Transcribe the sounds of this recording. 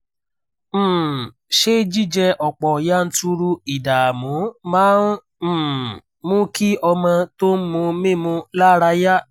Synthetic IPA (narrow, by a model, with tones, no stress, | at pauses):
ʃe˦d͡ʒi˦˨d͡ʒɛ˧ʔɔ˨k͡pɔ˨ja˦n̩˦tu˧ɾu˧i˨da˨mũ˨˦mãː˨˦n̩˦˨ | mũ˦ki˦ɔ˧mã˧to˦m̩˦mũ˧˦mĩ˦˨mũ˧la˦ɾa˧ja˦